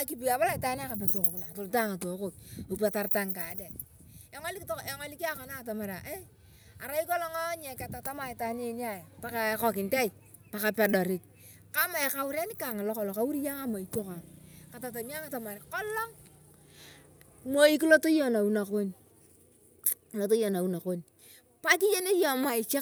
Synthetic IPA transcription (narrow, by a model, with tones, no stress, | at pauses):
a˨ki˨pi˨a˨ba˦la˨i˨ta˦n˦a˦ka˨p̬ɛ˨to˨ko˨kna˨to˨lta˦˨ŋa˨to˨˦ko˨ko˨pa˨ta˦ɾta˦ŋka˨˦de˨ | jɔ˦ŋa˦li˦ktjɔ˦ŋa˦li˦ki˦a˦kɔ˨˦na˦˨ta˨ma˨ɾa˨ʔe˦ | a˨ɾa˦i˦kɔ˦lɔ˦ŋa˦ɲɛ˨ka˨ta˨ta˦ma˨i˨ta˦ne˦n˦a˦˨jpa˦ka˨˦kɔ˨kɪ˨nta˦i˨ | pa˨ka˨pɛ˨dɔ˨ɾɪ˨k̚ | ka˦ma˨e˨ka˨wu˦ɾa˦ni˦ka˨ŋa˨lɔ˦kɔ˨lɔ˨ka˦wu˦ɾi˦ja˦ŋa˦ma˨i˨to˦ka˨ka˨ta˨t̬a˨mi˦a˦ka˨ta˨ma˨ɾkɔ˦lɔ˦ŋ | mo˦i˦k̬i˦lo˦to˦jɔ˨na˨u˦na˨ko˦ɲ˨ | lo˦to˦jɔ˨na˨u˨˦na˨ko˦ɲ | pa˦k̬i˦je˦ne˦jɔ˨ma˨i˨t͡ʃa˦